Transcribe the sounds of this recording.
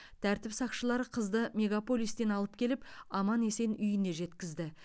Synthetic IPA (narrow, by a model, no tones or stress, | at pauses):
t̪ʰæɾt̪ɪpsɑqʃəlˠɑɾəqʰəzd̪əmʲe̞ɡapo̞lʲˠijst̪e̞nɑlˠəpkʲʰe̞lɪpɑmɑne̞se̞nʏjɪne̞ʒe̞t̪kʲɪzd̪ɪ